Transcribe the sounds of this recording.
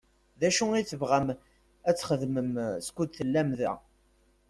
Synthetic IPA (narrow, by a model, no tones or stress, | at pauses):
ðæʃuiθəvʁæm | æt͡sːχəðməmskʷud̪θəlːæmðæ̰